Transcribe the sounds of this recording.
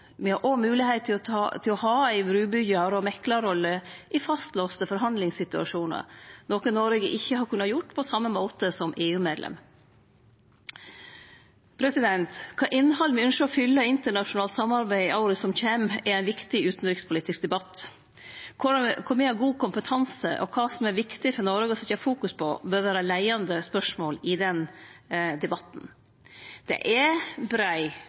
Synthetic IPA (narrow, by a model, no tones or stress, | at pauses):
mɪhɑɾʔɔmʉːlɪheɪt̪ʰːɪt̪ʰɪlɔhɑːæɪʋɾʉːbʏɡɑɾɔmɛkːlɑɾɔlːəʔɪfɑst̪loːst̪əfɔɾɦɑnd̪lɪŋssɪt̪ʉɑ̰ʂuːnə̰ɾnoːkənoːɾəɡəʔɪçːəhɑɾkʰʉnːɑjʊʈːpʰɔsɑmːəmoːt̪əsɔmʔeːʉːmeːd̪lʔɛ̰m | pʰɾɛsɪd̪ɛnt̪kʰɑːʔɪnːhɑlːmɛʉnʃəɔfʏlːəɪnt̪əɳɑʂʊnɑːlt̪sɑmːɑɾbæɪʔɑʊɾəsɔmçɛmɛɾæɪnʋɪkt̪ɪʉːt̪n̩ɾɪkspʰʊliːt̪ɪsk̚d̪ɛbɑt̪ː | kʰʊkʰʊɾmɪhɑɾɡuːkʊmpət̪ʰɑnsə̰ʔɔ̰kʰɑːsɔmæɾʋɪkt̪ɪfɔnɔɾɡəɔsɔt̪ɑːfuːkʉspʰɔbøːɾʋæːɾəlæɪɑnd̪əspœʂmoːlɪd̪ɛn | d̪ɛbɑt̪n̩ | d̪̥ɛ̰ʔɛbɾæɪ